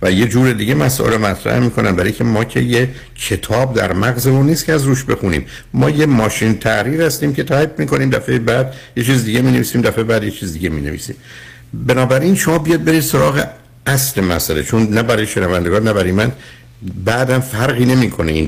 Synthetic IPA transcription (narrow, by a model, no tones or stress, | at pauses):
væje̞d͡ʒuːɾe̞d̪iːɡemæsɔ̰ʔelɾomæt̪ʰɾæ̰hmiːkʰo̞næ̰nbæɾiijcʰe̞mɒːcʰeje | cʰe̞t̪ʰɒːb̚d̪æ̰ɾmæɣzeuniːscʰeæzɾuːʃbe̞xunḭːm | mɒːjemɒːʃint̪ʰæʔɾiːɾhæst̪iːmcʰe̞t̪ʰæːebmiːkʰo̞niːmd̪æfejebæd̪je̞t͡ʃʰiːzd̪iɡe̞miːne̞viːsiːmd̪æfebæːd̪je̞t͡ʃʰiːzd̪iɡemiːnevḭːsḭːm | be̞nɒːbæɾinʃo̞mɒːbijɒd̪̚be̞ɾiːd̪̥so̞ɾɒːɣe̞̰ | æsle̞mæ̰sælet͡ʃʰonːæbæɾɒjeʃenævænd̪eɡɒːnːæbæɾɒjemæn | bæʔd̪æmfæɾɣiːne̞miːkʰo̞neḭn